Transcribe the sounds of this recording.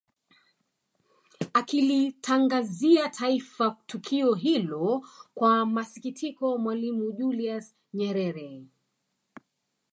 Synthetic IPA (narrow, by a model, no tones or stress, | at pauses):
akilitʰaŋɡaziatʰaifatukʰiɔɦilɔkwamasikitʰikɔmwalimuʄulias | ɲɛɾɛɾɛ